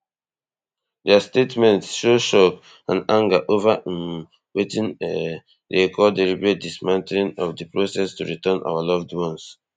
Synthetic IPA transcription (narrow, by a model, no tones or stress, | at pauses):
dɛastetmɛ̃ntsʃoʃɔk | ãnãŋɡaʔovam | wetĩn | dekʰɔdeɾibɹet̚dismãnteĩnɔfdipɹosɛstuɹitɜ̃nʔa̰walɔvdwɔ̃ns